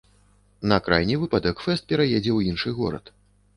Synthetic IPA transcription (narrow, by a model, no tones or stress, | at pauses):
nɐkɾajnʲivɨpad̪ɐkfɛst̪̚pʲɛɾajɛd͡zʲɛwjinʂɨɣɔ̰ɾɐ̰t̪